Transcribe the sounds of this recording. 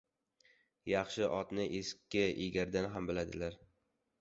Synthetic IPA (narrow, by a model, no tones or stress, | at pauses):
jɑχʃɪʔɒt̪nɪʔeskʲʰːɪḭɡʲaɾd̪anɦambɪlad̪ɪlaɾ